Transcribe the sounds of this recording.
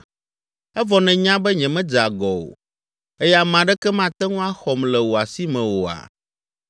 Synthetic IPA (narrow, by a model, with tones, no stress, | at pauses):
ɛ˦vɔ˨nɛ̃˨ɲã˦bɛ˦ɲɛ̃˨mɛ̃˦d͡ʒa˨ɡɔ˨o̰˨ | e˦ja˦˨mã˨ɖɛ˦kɛ˦mã˦˨t̪ɛ˦ŋũ˦a˦xɔ˨mlɛ˨wo˨a˨si˦mɛ̃˨wo˨a̰˨